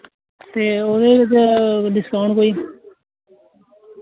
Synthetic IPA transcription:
t̪eːoːd̪eːʋɪt͡ʃd̪ɪskaːɳkoːiː

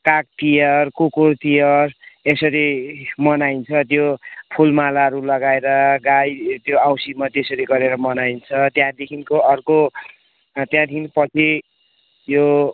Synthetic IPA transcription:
kak̚t̪ijʌrkokort̪ijʌresʌɾimʌnajnt͡sʰʌt̪jopʰulmalaʌɾulʌɡaeɾʌɡajt̪joawsimat̪jesʌɾiɡʌɾeɾʌmʌnaint͡sʰʌt̪jãd̪ekʰinkoʌrko | t̪jãd̪ʰiinpʌt͡sʰi | jo

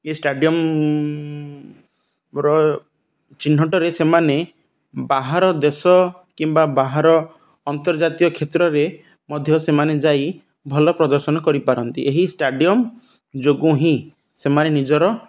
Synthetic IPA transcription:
esʈaɖiɔm | ɾɔ | t͡ʃin̤ːɔʈɔɾesemane | baɦaɾɔd̪esɔ | kimbabaɦaɾɔː | nt̪ɔɾd͡ʒat̪ijɔkʰet̪ɾɔɾe | mɔd̪ʱjɔsemaned͡ʒaj | bʱɔlɔpɾɔd̪ɔɾsɔnɔkɔɾipaɾɔnt̪ḭʔeɦisʈaɖijɔm | d͡ʒoɡũɦĩ | semanenid͡ʒɔɾɔ

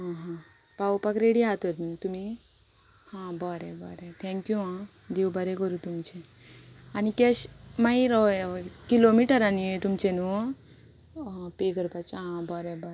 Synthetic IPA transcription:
ɦãɦã | pawpakɾeɽiɦat̪əɾt̪nt̪umi | hãbɔɾebɔɾet̪ʰɛ̃ŋkjuã | d̪ewbəɾekəɾut̪umt͡ɕe | anikeɕmaiɾɔkilomiʈəɾanit̪umt͡ɕenu | peɡəɾpat͡sɦãbɔɾebɔɾ

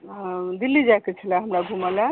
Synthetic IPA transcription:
d̪ilːid͡ʒaket͡ʃʰəlaɦəmɾaɡʱumala

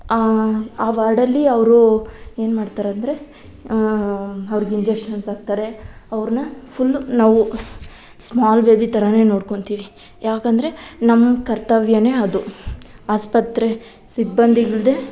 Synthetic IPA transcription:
aːʋaːɾɽɐlːiɐʋɾue̞ːnmaːɖt̪aːɾeɐnd̪ɐɾe̞ | ɐʋɾiɡeiɲd͡ʒekʂɐnsaːɡ̚t̪aːɾe̞ɐʋɾnɐpʰulːnaːʋu | smaːlbe̞ːbit̪ɐɾɐne̞ːno̞ːɽko̞ɳt̪iːʋi | jaːkɐnd̪ɐɾe̞nɐmːɐkɐɾt̪ɐʋjɐne̞ːɐd̪uaːspɐt̪ɾe | sibːɐnd̪iɡɐɭd̪e

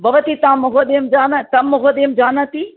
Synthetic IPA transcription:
bɐʋɐt̪it̪ãmɐɦoɗ̪eːmd͡ʒaːnat̪ɐmːɐɦoɗ̪eːmd͡ʒaːnat̪iː

